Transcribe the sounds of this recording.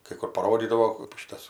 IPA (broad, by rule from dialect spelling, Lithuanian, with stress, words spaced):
kɐɪ ˈkʊr pɐˈroːdʲiːdɐʋoː ˈʃʲɪtɐs